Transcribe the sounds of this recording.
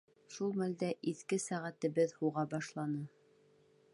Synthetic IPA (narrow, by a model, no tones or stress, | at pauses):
ʃulˠmæld̪æʔiθkɘsæʁæt̪ɘ̆βɘðhuʁɑbɑʃlˠɑnɤ